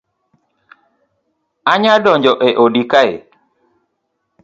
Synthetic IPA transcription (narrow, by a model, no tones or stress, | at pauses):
aɲadɔɲd͡ʒɔʔeʔodikaḛ